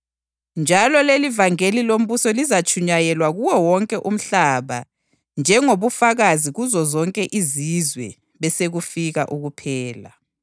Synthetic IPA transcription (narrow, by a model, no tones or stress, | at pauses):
nd͡ʒʱalɔlelivaŋelilom̩βusɔlizat͡ʃʰʼuɲajɛlwaɣuwɔwɔŋkʼɛʔum̩ɬaβa | nd͡ʒʱɛŋoβufaɣaziɣuzɔzɔŋkʼɛʔizizwɛ̰ | βɛseɣufiɣaʔuɣupʰɛːla̰